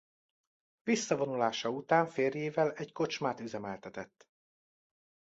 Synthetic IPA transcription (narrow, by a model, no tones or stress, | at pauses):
visːɒvo̞nulaːʃɒut̪aːɱfeːrjeːvɛlɛɟko̞t͡ʃmaːt̪yzɛmɛlt̪ɛt̪ɛt̪ː